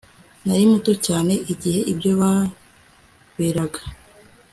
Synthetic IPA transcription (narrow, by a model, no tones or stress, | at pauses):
najimuto̞caːne̞ʔiɟihe̞ʔibɟo̞βa | weːɾaɡḁ